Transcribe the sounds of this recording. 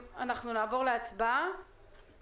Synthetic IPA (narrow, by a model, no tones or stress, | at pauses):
anaχnunaːvo̞ʁleat͡sbaa